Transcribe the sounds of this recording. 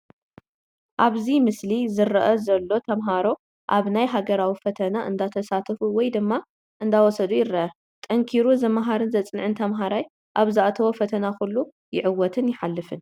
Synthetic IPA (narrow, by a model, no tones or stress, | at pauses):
ʔaβzimɨslizɨɾɐʔɐzɐlːo̞t̪ʰɐmɦaɾo̞ | ʔaβnajɦaɡɐɾawifɐt̪ʰɐnaʔɨ̰nd̪at̪ʰɐsat̪ʰfuwɔjd̪ɨmːa | ʔɨnd̪awɔsɐd̪ujɪɾɐʔɐ | t̪ʼɐŋkʰiɾuzɐmaɦaɾɨnzɐt͡sʼɨnʕɨnt̪ʰɐmɦaɾaj | ʔaβzaʔat̪ʰɐwofɐt̪ʰɐnakulːu | jɪʕɨwːɔt̪ʰɨnjɪħalːɨfɨn